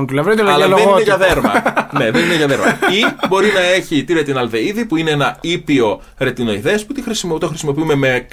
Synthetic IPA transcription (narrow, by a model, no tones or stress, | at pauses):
nt̪ulɐvɾit̪olɐlɐlenineʝɐðeɾmɐ̰ne̞ðenineʝɐðeɾmɐibo̞ɾinɐe̞çit̪iɾet̪inɐlve̞iðipuine̞enɐipio̞ | ɾe̞t̪ino̞iðe̞ɐsput̪ixɾismt̪o̞xɾisimo̞piume̞me̞